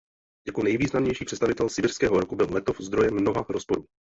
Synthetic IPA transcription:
jakonɛjviːznamɲɛjʃiːpr̝ɛtt͡sst̪avɪt̪ɛlsɪbɪr̥skɛːɦoɾokubɪllɛt̪ofzd̪ɾo̞jɛmnoɦaːxɾospo̞ɾuː

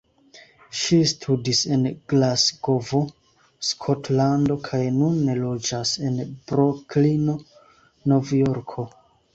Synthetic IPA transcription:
ʃistʰudise̞nɡ̥lasɡovo̞ | skʰotlando̞kʰajnunːe̞lo̞d͡ʒase̞nbɾoklino̞ | no̞vjoɾkʰo̞

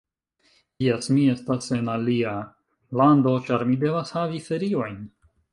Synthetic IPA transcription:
jesmie̞stase̞nalia | lando̞t͡ʃaɾmide̞vashavife̞ɾio̞jn

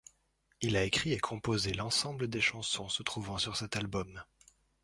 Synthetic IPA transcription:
ilaekχiekʰɔ̃pozelɑ̃sɑ̃bləd̪eʃɑ̃sɔ̃sət̪χuvɑ̃syʁsɛt̪albɔm

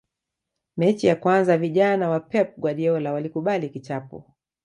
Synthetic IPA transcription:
mɛt͡ʃijakwanzaviʄanawapɛp̚ɡwaɗiɔlawalikuɓalikit͡ʃapṵ

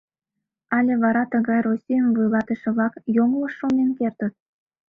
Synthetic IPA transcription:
ɑlʲeβɑɾɑt̪əɣɑjrosʲijənvujlɑt̪əʃə̆βlɑkjoŋləʃːonenkert̪ət̪̚

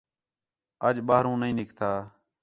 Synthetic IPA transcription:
əd͡ʒɓaːɦɾũːnəĩːnɪkt̪ʰaː

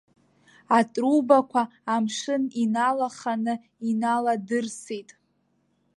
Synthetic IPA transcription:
atʼrubakʷʰaː | mʂɨninalaχanɨ | inaladɨrsitʼ

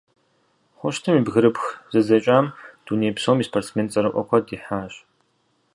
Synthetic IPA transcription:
χʷɔʃtʰɨmiːbɣɨɾɨpxzɨzɐt͡ʃʼaːmd̥uneːjpsoːmiːspʰort͡smeːnt͡sʼɐɾɨʔʷɔ̰kʷʰɐdiːħaːɕ

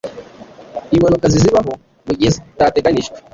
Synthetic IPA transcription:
imanukaziziβaɦɔ | muɟezitatɛɡaniʃt

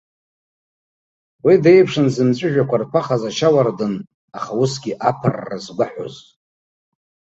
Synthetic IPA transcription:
wide̞jpʰʂɨnzɨmt͡ɕʷʼʊʒᶣakʷʰarpʰaχazaʃawardɨn | aχausɡʲiʔapʰarːa̰zɡʷaħo̰zʼ

